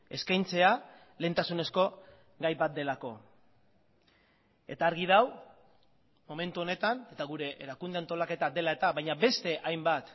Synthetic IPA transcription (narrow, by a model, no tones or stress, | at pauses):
e̞skajnt͡se̞a | le̞nt̪asune̞sko̞ | ɡajbat̪̚d̪e̞lako̞ | e̞̰t̪aːɾɣiðaw | mo̞me̞nt̪uo̞ne̞t̪ane̞t̪aɣ̞uɾe̞ʔḛɾakund̪eant̪o̞lake̞t̪ad̪e̞lae̞t̪aβajɲabe̞st̪e̞ʔajmbat̪